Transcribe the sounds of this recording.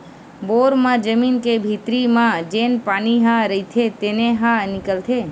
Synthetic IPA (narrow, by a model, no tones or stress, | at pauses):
boːɾmãd͡ʒəmiːnkebʱit̪ɾimãd͡ʒeːnpaːniɦãɾəit̪ʰet̪eneɦãnɪkəlt̪ʰe